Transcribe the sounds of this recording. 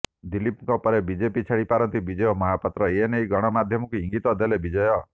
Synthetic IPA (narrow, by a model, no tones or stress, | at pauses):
d̪ilipŋkɔpɔɾebid͡ʒepit͡ʃʰaɽipaɾɔnt̪ibid͡ʒɔjɔmɔɦapɔt̪ɾɔeenejɡɔɽ̃ɔmad̪ʱjɔmɔkuiŋɡit̪ɔd̪elebid͡ʒɔjɔ